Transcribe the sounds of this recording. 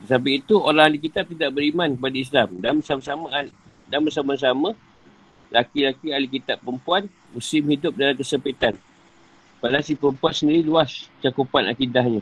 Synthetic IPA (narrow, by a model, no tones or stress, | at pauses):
t̪ət̪ap̬iit̪uoɾahalik̬it̪ap̚t̪idaʔbəɾimankəpadais̬lamdasamsama | danbəs̬amas̬amã | lakilakialik̬it̪apːəmpuan | mũsɪmhidʊp̚dalamkəsəmpit̪an | palasipəɾəmpuansəndiɾiluast͡ʃakupana̰kidahɲa